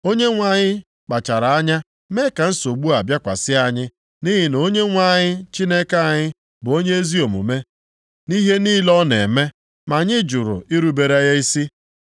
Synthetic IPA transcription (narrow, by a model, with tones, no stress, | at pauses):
o˦ɲe˦ŋʷa˨ɲɪ˦ | k͡pa˨t͡ʃa˨ɾa˨a˦ɲa˦ | me˦ka˨n̩˦so˨ɡ͡bu˦a˨bja˦kʷa̰˨sɪ˦a˦ɲɪ˦ | ni˦ɦɪ˨n˨o˦ɲe˦ŋʷa˦˨ɲɪ˦t͡ʃi˦ne˦ka˦˨ɲɪ˦ | bʊ˨o˦ɲe˦e˦zi˦o˨mṵ˨me˦ | ni˦ɦe˦niː˦lɔ˦nḛ˨me˦ | ma˨ɲɪ˦d͡ʒʊ˨ɾʊ̰˨i˦ɾu˨be˨ɾa˦ja˦i˦si˦